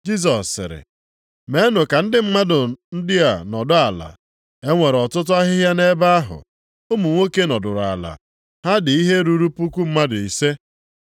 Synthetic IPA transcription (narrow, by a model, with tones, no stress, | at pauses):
d͡ʒi˦s̬ɔ˨sːɪ̰˨ɾɪ̰˨ | me˨˦e˦nʊ˨ka˨n̩˦dɪ˦m̩˦ma˦dʊ˨n̩˦dɪ˦a˨nɔ˨dʊ˦a˨la̰˨ | e˦ŋʷe˨ɾɔ˨tʊ˦t̬ʊ˦a˦ɦɪ˦ɦja˦ne˦ba˦a˦ɦʊ̰˨ | o˦mu˨ŋʷo˦ke˦nɔ˨dʊ˨ɾa̰˨la̰˨ | ha˦dɪ˨i˦ɦe˦ɾu˦ɾu˦pu˦ku˦m̩˦ma˦dʊ˨i˨se˦